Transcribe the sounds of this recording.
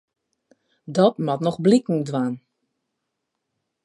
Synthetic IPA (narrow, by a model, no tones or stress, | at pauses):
dɔtmɔtnɔɣblikŋ̩dʋaːn